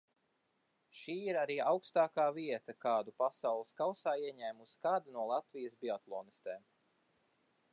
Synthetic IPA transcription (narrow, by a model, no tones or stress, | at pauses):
ʃiːiɾaɾiːawkst̪aːkaːviɛt̪ɐkaːd̪upasawlˠɨskawsaːiɛɲæːmusi̥kaːd̪anuɔlˠat̪vijəsbʲiat̪lˠɔːnist̪eːm